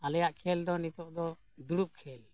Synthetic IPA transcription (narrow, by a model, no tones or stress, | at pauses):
alɛjaʔkʰɛld̪ɔnit̪ɔʔd̪ɔ | d̪uɽup̚kʰɛl